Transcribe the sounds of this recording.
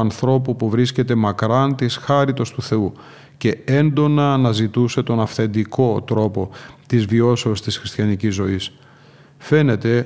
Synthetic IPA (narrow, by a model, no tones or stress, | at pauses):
ɐnθɾo̞pupuvɾisce̞t̪e̞mɐkɾɐnt̪isxɐɾit̪o̞st̪uθe̞u | ce̞e̞nd̪o̞nɐnɐzit̪use̞t̪o̞nɐfθe̞nd̪iko̞t̪ɾo̞po̞t̪izvio̞se̞ost̪isxɾist̪çɐnicizːo̞is | fe̞ne̞t̪e̞